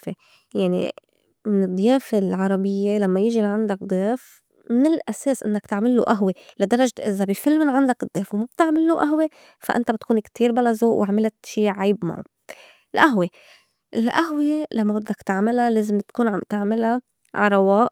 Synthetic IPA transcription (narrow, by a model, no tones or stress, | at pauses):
fe | jaʕnḭ | mɪnɨd̪ˤːjeːfelʕɑɾˤɑbɪjːelamːajɪʒiʕand̪ak̚d̪ˤeːf | mɪnɪlʔaseːsʔɪ̰nːak̚t̪aʕmɪlːṵʔaɦwelad̪ɑɾˤɑʒʔɪzabifɪlmɪnʕand̪akɨd̪ˤːeːfwmab̥̚t̪aʕmɪlːuʔaɦwe | fa̰ʔɪ̰nt̪abɪt̪kuːnkt̪iːɾbalazoːʔwʔɪʕmɪlat̪ʃiːʕajbma̰ʕṵ | lʔaɦwe | ɪlʔaɦwelamːabɪd̪ːakt̪aʕmɪlaleːzɪmt̪kuːnʕamt̪aʕmɪla | ʕaɾˤɑwɑːʔ